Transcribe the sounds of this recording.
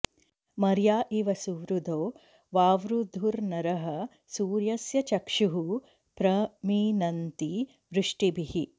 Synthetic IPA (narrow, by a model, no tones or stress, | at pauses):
mɐɾjaːʔiʋɐsuːɾud̪oː | ʋaːʋɾud̪ʱuɾnɐɾɐɦɐ | suːɾjɐsjɐt͡ʃɐkʂuɦu | pɾɐmiːnɐnt̪i | ʋɾɪʂʈibihi